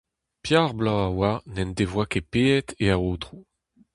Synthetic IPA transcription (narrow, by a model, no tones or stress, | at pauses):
pjaʁblãawanɛndevwakepeɛt̪eaoːt̪ʁu